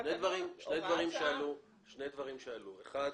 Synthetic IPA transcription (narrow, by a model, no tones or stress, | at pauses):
ʃnejd̪vaʁimʃnejd̪vaʁimʃealu | ʃne̞jd̪vaʁimʃealuḛχad̪